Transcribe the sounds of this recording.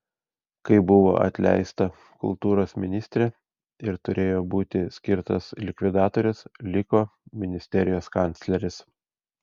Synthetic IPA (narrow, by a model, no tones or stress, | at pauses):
kɐɪbʊʋo̰ːʔɐ̰t̪ʲlʲɛ̰ɪst̪ɐ | kʊ̰lˠt̪uːɾoːsmʲɪnʲɪsʲt̪ʲɾʲe | ɪɾt̪ʊɾʲeːjoːbuːt̪ʲɪsʲkʲɪɾt̪ɐslʲɪkʋʲɪd̪ɑːt̪oːɾʲʊslʲɪkoːmʲɪnʲɪsʲt̪ʲɛɾʲɪjoːskɑˑnʲt̪sʲlʲɛɾʲɪs